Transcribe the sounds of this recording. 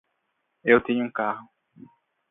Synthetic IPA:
ewt̪ẽɲʊũkaɦʊ

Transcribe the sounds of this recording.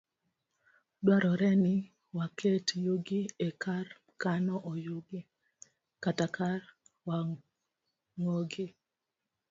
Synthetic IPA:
dwaɾɔɾɛnɪ | wakʰetjoɡiekar | kanɔʔɔjoɡɪ | katakʰarwa | ŋoɡɪ

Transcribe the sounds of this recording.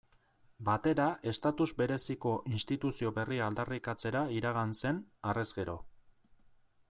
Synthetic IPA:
bat̪e̞ɾae̞st̪at̪uzbe̞ɾe̞siko̞ʔinst̪it̪usio̞βe̞riald̪arikat͡se̞ɾaiɾaɣanse̞nare̞zɣe̞ɾo̞̰

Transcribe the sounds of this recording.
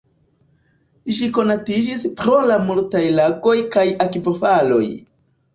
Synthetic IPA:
ʃiko̞natid͡ʒispɾo̞lamultajlaɡo̞jkajakipofalo̞̰j

